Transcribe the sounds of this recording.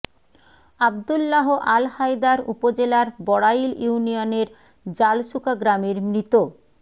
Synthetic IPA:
ab̚d̪ulːaɦoʔalhajd̪aɾṵpod͡ʑelaɾbɔɽajljiunioneɾ | d͡ʑalʃukaɡɾameɾmɾit̪o

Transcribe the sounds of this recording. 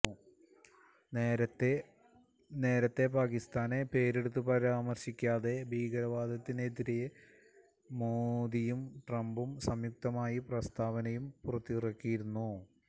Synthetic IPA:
neːɾɐt̪ːe | ne̞ːɾɐt̪ːe̞paːkist̪aːne̞pe̞ːɾeɽut̪̬ːupɐɾaːmɐrɕikʲːaːðe̞bʱiːɡɐɾɐʋaːd̪ʱɐt̪ːinet̪iɾeje | moːd̪ijumʈrɐmbumsɐmjuk̚t̪ɐmaːjiprɐst̪ʰaːʋɐnɐjumpurɐt̪ːirɐkːijiɾunːu

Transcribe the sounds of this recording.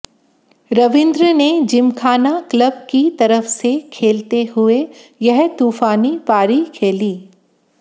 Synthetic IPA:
ɾɐʋɪ̃nd̪ɾəned͡ʒɪmkʰaːnakləb̚kit̪ɐɾəfsekʰeːlt̪eɦʊejɐɦt̪uːfaːnipaːɾikʰeːliː

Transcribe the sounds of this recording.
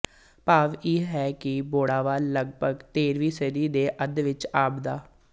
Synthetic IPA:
paːʋiːɦɛːkɪboːɽaːʋaːləɡ̚bʱəɡt̪eːɾʋiːsəɾiːd̪eːʔəd̪ʋɪt͡ʃaːbd̪aː

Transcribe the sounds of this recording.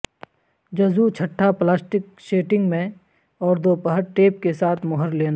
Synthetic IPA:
d͡ʒɐzut͡ʃʰɐʈʰːaplaːsʈɪk | ʃeːʈɪ̃ŋɡmẽ | ɔːɾd̪oːpəɦəɾʈeːp̚kesaːt̪ʰmʊɦəɾleːna

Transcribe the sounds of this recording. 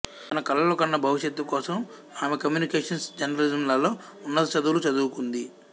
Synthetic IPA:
t̪ɐnɐkɐlːɐlokɐnːɐbʱɐʋiʃjɐt̪ːukɔːsɐm | aːmekɐmjuːnikeːʂɐnsd͡ʒɐnɐɾɐlid͡ʒɐmlɐlo̞ː | unːɐt̪ɐt͡ʃɐd̪uːlut͡ʃɐd̪uːukund̪i

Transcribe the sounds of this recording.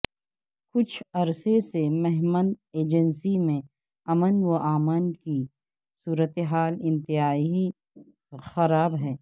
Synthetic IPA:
kʊt͡ʃʰɐɾsesemɛɦməneːd͡ʒənsimẽ | ɐmənwoʔaːmənki | suːɾət̪eɦaːlɪ̃nt̪ɪɦaːiɦi | xɐɾaːbɦɛː

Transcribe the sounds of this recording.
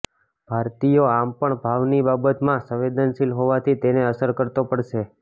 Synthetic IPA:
b̥ʱaɾt̪ijoampəɳbʱaʋnibabət̪mãsə̃ʋed̪ənʃilɦoʋat̪ʰit̪eneəsəɾkəɾt̪opəɽʃe

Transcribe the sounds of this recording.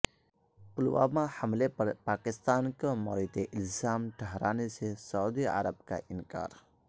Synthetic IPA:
pʊlwa̰ːmãhɐmlepɐɾpaːkɪst̪aːnkamɔɾit̪eʔɪlzaːmʈʰəɦɾa̰ːnesesaud̪ia̰ɾəb̚ka̰ʔɪnka̰ːɾ

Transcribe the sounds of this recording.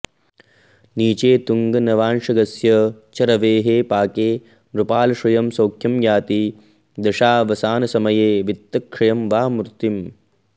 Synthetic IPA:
niːt͡ʃeːt̪uŋɡɐnɐʋaːnʂɐɡɐsjɐt͡ʃɐɾɐʋeːɦeːpaːkeː | ɾupaːlɐʃɐjɐmsɐwkʰjɐmjaːt̪i | d̪ɐʂaːʋɐsaːnɐsɐmɐjeːʋit̪ːɐkʂɐjɐmʋaːmɾt̪im

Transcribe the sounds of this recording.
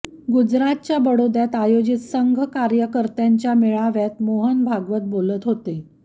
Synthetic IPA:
ɡud͡ʑɾat̪̚t͡ɕjabəɽod̪jat̪ajod͡ʑit̪səŋɡʱəkaɾjəkəɾt̪jaɲt͡ɕjameɭaʋjat̪moɦənbʱaɡʋət̪̚bolət̪ɦot̪e

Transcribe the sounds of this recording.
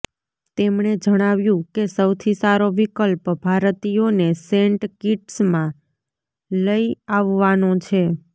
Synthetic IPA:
t̪emɳed͡ʒəɽ̃aʋjũkesəwt̪ʰisaɾoʋikəlpbʱaɾt̪ijoneseɳʈkiʈsmã | ləjaʋːanot͡ʃʰe

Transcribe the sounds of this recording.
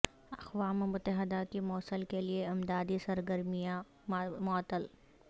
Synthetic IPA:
ɐqʋaːmemʊt̪əɦɪd̪ak̪imɔːsəlkelieɪmd̪aːd̪isɐɾɡəɾmija | mɔːt̪ːəl

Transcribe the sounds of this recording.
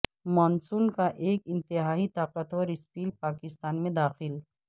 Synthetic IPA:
mɔːnsuːnkaʔeːkɪ̃nt̪ɪɦaːit̪aːqət̪əɾɪspiːlpaːkɪst̪aːnmẽd̪aːxɪl

